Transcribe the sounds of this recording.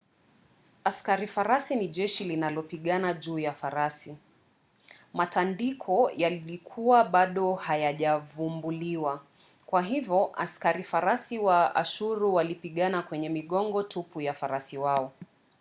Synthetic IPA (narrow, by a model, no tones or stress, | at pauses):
askaɾifaɾasiniʄɛʃilinalɔpiɠanaʄuːjafaɾasi | matandikʰɔjalilikʰuwaɓaɗɔhajaʄavumbuliwa | kwaɦivjɔʔa̰skaɾifaɾasiwaa̰ʃuɾuwalipiɠanakwɛɲɛmiɠɔŋɡɔtʰupujafaɾasiwaɔ